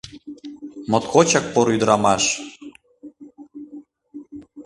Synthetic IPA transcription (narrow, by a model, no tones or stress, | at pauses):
mot̪kot͡ɕɑk̚poɾyd̪ɾɑmɑʃ